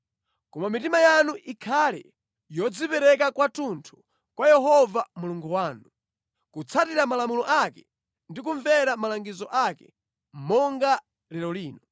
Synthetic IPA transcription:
kɔmamitimajanuʔikʰalɛ̰ | jɔd͡zipɛɾɛkakwatuntʰu̥ | kwajɛɦɔvamuluŋɡuwaːnu | kut͡sʰatiɾamalamulɔʔakɛ | ndikuɱvɛɾamalaŋɡizɔʔakɛ | m̩mɔŋɡa | lɛɾɔliːnɔ

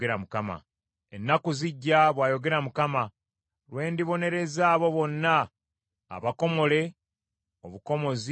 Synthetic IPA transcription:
eɾamukama̰ | e̞nːakuziɟːaβwaːjo̞ɡe̞ɾamukama | ɾwe̞ːndiβo̞ne̞ɾe̞zaːβo̞βo̞nːa̰ː | βako̞mo̞le̞ | oβuko̞mo̞zi

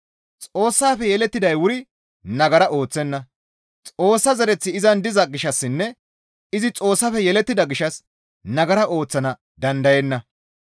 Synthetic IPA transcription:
t͡sʼo̞ːsːaːfɛjɛlɛt̪ːɪd̪ɐjwʊɾɪ | nɐɡɐɾɐʔo̞ːt͡sːɛnːɐ | t͡sʼo̞ːsːɐzɐɾɛt͡sːɪɪzɐnd̪ɪzɐɡɪʃɐsːɪnːɛ | ɪzɪt͡sʼo̞ːsːɐfɛjɛlɛt̪ːɪd̪ɐɡɪʃɐs | nɐɡɐɾɐʔo̞ːt͡sːɐnɐ | d̪ɐnd̪ɐjɛnːɐ

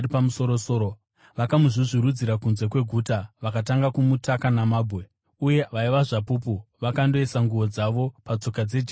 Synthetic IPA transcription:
ipamuso̞ɾosoːɾo | ʋakamuʐiʐiɾud͡ziɾakunze̞kwe̞ɡʱuːtaʋakataŋɡakumutakanamaːbʱwe̞ | uje̞ʋaiʋaʐapupuʋakando̞esaŋɡuʋo̞d͡zaʋo̞pat͡so̞kad͡ze̞d͡ʒi

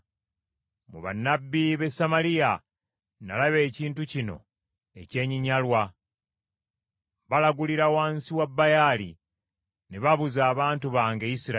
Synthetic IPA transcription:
mṵβa̰nːabːiβe̞samalija | nalaβe̞ːciːntucino̞̰ | e̞̰ce̞ːɲiɲalwa | βalaɡuliɾawaːnsiwabːajalḭ | neβaβuzaːβaːntuβaːŋɡe̞jisiɾa

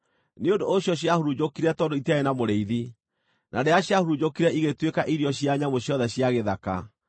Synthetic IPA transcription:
neondooɕjɔɕ̬jahuɾud͡ʑokiɾɛtɔːdoitaenamoɾeiði | nʔadeaɕjahuɾud͡ʑokiɾɛiɣetwekaʔiɾijɔɕjaɲamoɕjɔðɛɕjaɣeðaka̰

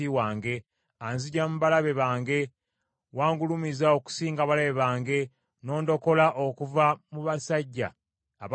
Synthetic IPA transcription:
iwaːŋɡe̞ | anziɟamuβalaβe̞βaːŋɡe̞ | waːŋɡulumizao̞ku̥siːŋɡaβalaβe̞βaːŋɡe̞ | no̞ːndo̞ko̞laʔokuvamuβasaɟːa̰ː | β

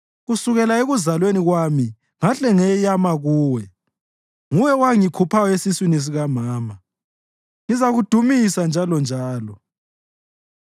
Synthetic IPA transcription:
ɣusuɣɛlaeɣuzalweniɣwami | ŋaɬɛŋɛjamaɣuːwɛ | ŋujɛwaŋikʰupʰajɔesiswinis̬iɣamaːma | ŋizaɣud̥ʱumisand͡ʒʱalɔnd͡ʒʱaːlɔ

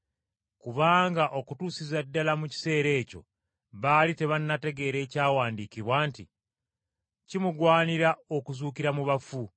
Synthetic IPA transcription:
kuβaːŋɡaʔo̞kutuːsizadːalamuci̥se̞ːɾe̞ːco̞̰ | βaːlite̞βanːate̞ɡe̞ɾe̞ːcaːwaːndikiβwaːnti | cimuɡwaːniɾao̞kuzuːkiɾamuβafu

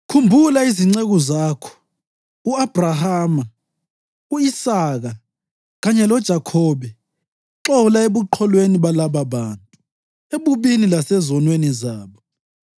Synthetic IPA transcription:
kʰumbʱulaiziŋ͡ǀeɣɔzakʰɔ̥ | uab̥ʱrahaːma | uisaɣa | ɣaɲɛlɔd̥ʒ̥ʱakʰɔβɛ | ǁɔlaeβuǃʰɔlweniβalaβaβaːntʼu | eβuβinilasɛzɔnwenizaːβɔ

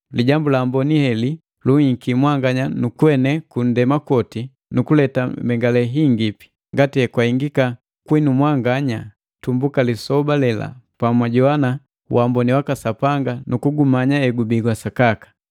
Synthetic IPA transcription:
liɟambulambɔnihɛli | luiŋ̩kimwaŋɡaɲanukwɛnɛkun̩dɛmakɔti | nukulɛtambɛŋɡalɛɦiŋɡipi̥ | ŋɡatiɛkwaiŋɡika | kwinumwaŋɡaɲa | tumbukalisɔbalɛla̰pamwaɟɔana | wʔambɔniwakasapaŋɡanukuɡumaɲaɛɡubiɡwasakakḁ

